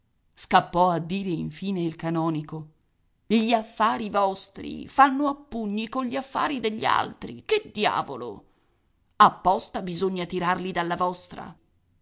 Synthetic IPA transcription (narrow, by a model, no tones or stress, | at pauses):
skapːɔad̪ːiːɾeiɱfiːneilkanɔːniko | ʎiafːaːɾivɔst̪ɾḭfanːoapːuɲːikonʎiafːa̰ːɾid̪eʎːia̰lt̪ɾḭked̪ːja̰ːvolo̰ | apːɔst̪abizoɲːat̪iɾarlid̪alːavɔst̪ɾa̰